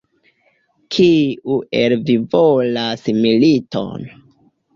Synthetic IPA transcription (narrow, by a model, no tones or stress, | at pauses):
kʰiuʔelvivolasmilito̰n